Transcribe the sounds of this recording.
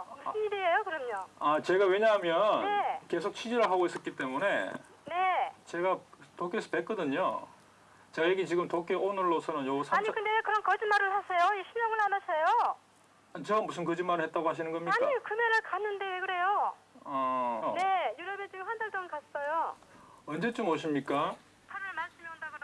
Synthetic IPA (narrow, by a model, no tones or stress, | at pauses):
musɯmideejokɯɾʌmɲoat͡ɕe̞ɡawe̞ɲaɦamjʌnneke̞s̬ʰok̚t͡ɕʰid͡ʑiɾɯɭɦaɡois͈ʌk͈it͈e̞mune̞ | ne̞t͡ɕe̞ɡatokʰesʰɯ̥pek͈ʌdɯɲo | t͡ɕeɡajeɡit͡ɕiɡɯmtok͈ʰeʔonɯɭːosʰʌnɯnjoɡusʰaaɲikɯndekɯɾʌnkʌd͡ʑimaɾɯɭhasʰejoeɕʰimjʌŋɯɭanasʰʌjo | ant͡ɕeɡamus̬ʰɯmkɯd͡ʑimːaɾɯɭhet͈aɡohaɕ̬ʰinɯnɡʌmɲiaɲkikɯmeɾɯɭkanːɯnde̞kɯɾe̞joʌne̞juɾʌbet͡ɕiɡɯmhandaɭdoŋɯkas͈ʌjo | ʌnd͡ʑe̞t͡ɕ͈omoɕ̬ʰimɲik͈a | pʰaɾɯɭmaɭs͈ɯmjeandaɡoɾ